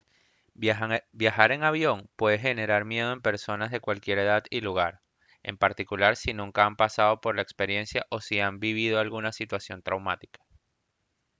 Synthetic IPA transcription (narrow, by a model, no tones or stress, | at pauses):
bjaxaɾe̞ŋaβjo̞ŋpwe̞ðexe̞ne̞ɾaɾmje̞ð̞o̞empe̞ɾso̞nazðe̞kwalkje̞ɾe̞ðaðiluɣaɾ | e̞̰mpaɾt̪ikulaɾsinũŋkaampasað̞o̞po̞ɾlae̞kspe̞ɾje̞nsjaʔo̞siambiβ̞ið̞o̞alɣunasit̪wasjo̞nt̪ɾawmat̪i̥kḁ